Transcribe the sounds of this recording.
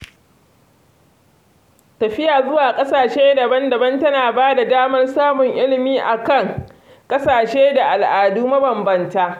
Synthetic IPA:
tɐ˨ɸɪ˦jaː˨zʊ˦waː˨kʼɐ˦saː˨ʃeː˦dɐ˨bɐ˦ndɐ˨bɐ˦ntɐ˦naː˨baː˦da˨daː˦mɐ˦rsaː˦mʊ˨ŋʔɪ˦lɪ˨miː˦ʔa˨kɐ˦˨ŋ | kʼɐ˦saː˨ʃeː˦da˨ʔa˨lʔaː˨duː˦mɐ˦bɐ˨mbɐ˦ntaː˦ʔ

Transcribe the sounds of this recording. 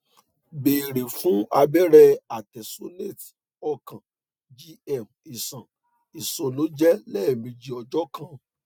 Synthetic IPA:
be˨ɾi˨fũ˦a˧bɛ˦ɾɛ˧a˨tɛ˨so˨˦le˦˨t | ɔ˧kã˨ | d͡ʒi˧ɛ˦˨m | i˨sã˨ | i˨so˨lo˨˦d͡ʒɛ˦lɛː˦˨mĩ˧d͡ʒi˨ɔ˧d͡ʒɔ˦kã˦

